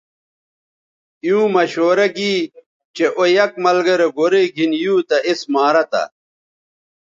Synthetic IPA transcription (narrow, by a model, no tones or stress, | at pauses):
jũːmɐɕoːɾɐɡiː | t͡ɕeʔojɐk̚mɐlɡɐɾeɡoɾeɡʱinjũːt̪ɐʔismaːɾɐt̪ɐ̰